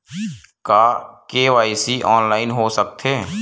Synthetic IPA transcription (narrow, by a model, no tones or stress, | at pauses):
kaːkeːʋaːisiʔɔːnlaːɪnɦosək̚t̪ʰeː